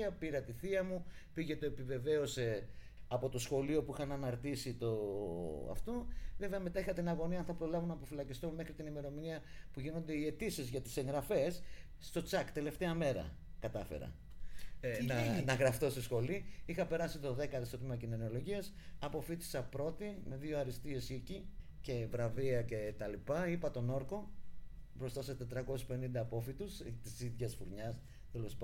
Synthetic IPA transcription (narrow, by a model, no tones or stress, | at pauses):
ɐpiɾɐt̪iθiɐmu | piʝe̞t̪o̞e̞pive̞ve̞o̞se̞ | ɐpo̞t̪o̞sxo̞lio̞puixɐnɐnɐɾt̪isit̪o̞ɐ̰ft̪ove̞ve̞ɐme̞t̪ɐixɐt̪inɐɣo̞niɐnθɐpɾo̞lɐvunɐpofilɐcist̪omme̞xɾit̪inime̞ɾo̞miniɐ | puʝino̞nd̪e̞ie̞t̪isizʝɐt̪i̥se̞ŋɣɾɐfe̞sː | t̪o̞t͡sɐkt̪e̞le̞ft̪e̞ɐme̞ɾɐ̰ | kɐt̪ɐfḛɾɐ̰ | nɐnɐɣɾɐft̪o̞seisxo̞liixɐpe̞ɾɐsit̪o̞ðe̞kɐðisot̪mɐcinono̞lo̞ʝiɐsɐpo̞fit̪i̥sɐpɾo̞t̪ime̞ðio̞ɐɾist̪ie̞sicice̞vɾɐviɐce̞t̪ɐlipɐipɐt̪o̞no̞ɾko̞ | bɾo̞st̪ɐset̪et̪ɾɐko̞sispe̞nind̪ɐːpo̞fit̪ust̪isiðʝɐsfuɾɲɐs | t̪elo̞sp